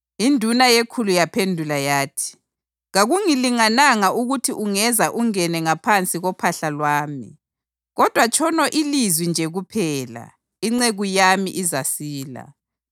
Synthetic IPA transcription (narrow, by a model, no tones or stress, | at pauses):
indʱunajekʰulujapʰendʱulajaːtʰi̥ | ɣaɣuŋiliŋanaŋaʔuɣutʰiʔuŋɛzaʔuŋɛnɛŋapʰant͡sʼiɣɔpʰaɬalwaːmḭ | ɣɔd̥ʱwat͡ʃʰʼɔnɔʔilizwind͡ʒʱɛɣupʰɛːla̰ | iŋ͡ǀeɣujamḭʔizasiːla̰